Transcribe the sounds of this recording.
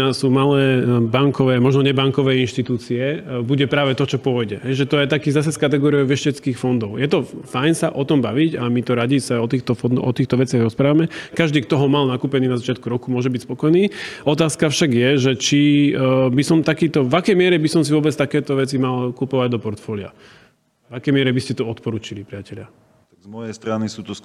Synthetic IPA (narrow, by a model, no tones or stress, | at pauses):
asuːmalɛːbaŋkɔʋɛːmɔʒnɔɲɛbaŋkɔʋɛːinʃt̪it̪uːt͡siɛbuɟɛpɾaːʋɛt̪ɔt͡ʃɔpʊɔjɟɛɦɛjʒɛt̪ɔjɛt̪akiːzas̬ɛskat̪ɛɡɔːɾiɔʊʋɛʃcɛt͡skiːxfɔnd̪ɔʊjɛt̪ɔfajnsaʔɔt̪ɔmbaʋicamit̪ɔɾaɟisaɔt̪iːxt̪ɔfɔnd̪ɔt̪iːxt̪ɔʋɛt͡sɪaɣɾɔspɾaːʋamɛkaʒd̪iːkt̪ɔɦɔmalnakuːpɛniːnazat͡ʃɪat̪̚kuɾɔkumʊɔʒɛbicspɔkɔjniːɔt̪aːskafʃaɡjɛʒɛt͡ʃi | bisɔmt̪akiːt̪ɔvakɛjmɪɛɾɛbisɔmsivʊɔbɛt͡st̪akɛːt̪ɔʋɛt͡simalkupɔʋaɟd̪ɔpɔɾt̪fɔːlia̰ | vakɛjmɪɛɾɛbiscɛt̪ɔɔt̪pɔɾuːt͡ʃilipɾiacɛʎɪa | azmɔjɛjst̪ɾanisuːt̪ɔs